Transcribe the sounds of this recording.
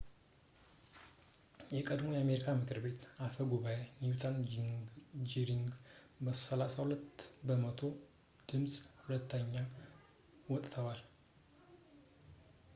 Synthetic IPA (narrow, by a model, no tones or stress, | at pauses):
jɛkʼəd̪mo̞jɛame̞ɾikʰamɨkʰɨɾbe̞t̪afəɡuβaweniut̪ʰan | d͡ʒiɾiŋɡ | bəso̥səlasahulət̪ːbəmət̪ʰo̞ | d̪̥ɨmsʼhulət̪ʰːəɲːa | wɔt̪ʼt̪ʰəwal